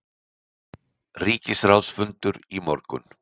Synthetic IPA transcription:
riːcɪsrawsfʏnt̪ʏɾimɔ̰ɾkʏ̰n

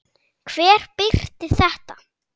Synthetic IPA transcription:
kʰvɛːɾ̥pɪr̥t̪ɪθɛht̪a

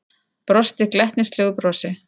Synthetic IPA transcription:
pɾɔst̪ɪklɛht̪nɪst̪lɪːɣʏpɾɔːsɪ

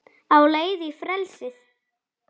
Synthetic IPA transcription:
awleːjðɪifɾɛlsɪθ

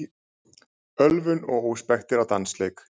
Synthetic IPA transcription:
œlvʏnɔɣoːwspɛxt̪ɪɾawt̪ansleːjk

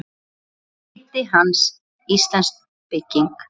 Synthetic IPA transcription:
t̪ɪɦans | ist̪lanst̪̚ | pɪcːiŋk

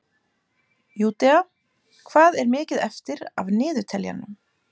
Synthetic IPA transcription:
juːt̪ɛa | kʰv̥aːðɛɾmɪːcɪðɛft̪ɪɾa̰vnɪːðʏt̪ʰɛlja̰nːʏm

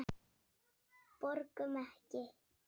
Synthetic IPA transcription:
poɾkəmahke

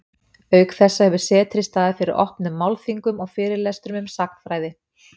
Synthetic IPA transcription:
œːɥkθɛsːahɛvʏsɛːt̪ʰɾɪst̪aðafɪɾɪ̰ɾʔɔ̰hpnʏmːawlfiŋkʏmɔɣfɪːɾɪɾlɛst̪ɾʏmʏmsak̚n̥fɾaːjðɪ

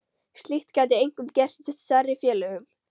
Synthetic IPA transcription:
st̪lɪht̪kaːt̪̬ɪejŋkʏmcɛr̥st̪sɛht̪sarːɪfjɛːlʏɣʏm

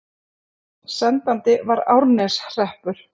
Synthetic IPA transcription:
sɛnt̪ant̪ɪvaɾa̰wɾnɛsr̥ɛhpʏɾ̥

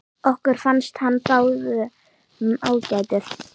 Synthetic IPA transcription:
ɔhkʏɾ̥fanst̪hanːpaːwðʏ | maːwcaːjt̪ɪθ

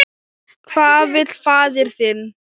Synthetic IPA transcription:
kʰvaːðvɪt̪l̥faːðɪɾ̥θɪn

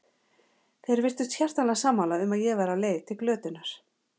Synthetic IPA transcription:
θejɾvɪr̥t̪ʏst̪sçjɛr̥t̪ansaːmːalaʏmaðjɛvaːɾaleːjðt̪ʰɪlklœːt̪ʏnaɾ̥

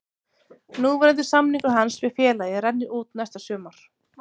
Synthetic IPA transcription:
nuːvɛɾɛnt̪̬ɪ̥samniŋkʏɦansvɛfjɛːlajɪɾɛnːɪʔuːt̪nɛst̪asœːmaɾ̥

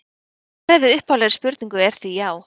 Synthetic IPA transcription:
ɾɛvɪðʏhpawlɛɾspʏɾt̪niŋkʏɛɾ̥θijaːw

